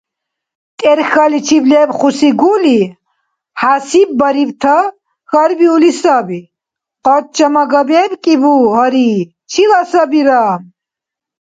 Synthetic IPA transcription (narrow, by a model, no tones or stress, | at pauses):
t̪ʼɛɾxalit͡ʃʰiblɛːbχusiɡuli | hasib̚ːaɾivt̪ʰa | xaɾbiulisabi | qʼɔt̪̚t͡ʃʰʼɐmaɡabɛːbkʼibuɦaɾi | t͡ʃʰilasabiɾaːm